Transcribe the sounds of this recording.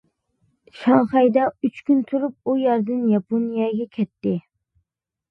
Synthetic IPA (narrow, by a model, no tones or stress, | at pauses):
ʃɑŋχɑjd̪ɑyt͡ʃkʲynt̪ʰuɾup̚ujɑɾd̪ɨnjɑponijɑɡʲɛkʲʰɛt̪ːɪ